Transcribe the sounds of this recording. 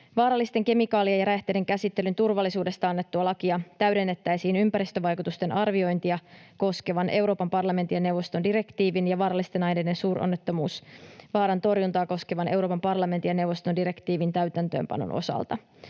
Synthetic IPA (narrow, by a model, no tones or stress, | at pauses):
ʋɑːɾɑlːist̪e̞ŋke̞mikɑːliejɑɾæht̪ede̞ŋkæsit̪ːe̞lynt̪urʋɑlːisuːde̞st̪ɑɑnːe̞t̪ːuɑlɑkiɑt̪æɥde̞nːe̞t̪ːæjsiːnympæɾist̪øʋɑjkut̪ust̪e̞nʔɑrʋio̞jnt̪iɑko̞ske̞ʋɑnʔe̞wɾo̞ːpɑmpɑrlɑment̪ijɑne̞wʋost̪o̞ndiɾe̞kt̪iːʋinjɑʋɑːɾɑlːist̪enɑjne̞ːde̞nsuːrʔo̰nːe̞t̪ːo̞muːsʋɑːɾɑnt̪o̞rjunt̪ɑːko̞ske̞ʋɑnʔe̞wɾoːpɑmpɑrlɑment̪ijɑne̞wʋo̞st̪ondiɾe̞kt̪iːʋint̪æyɥt̪ænt̪ø̞̰ːmpɑ̰no̰nʔo̞̰sɑ̰lt̪ɑ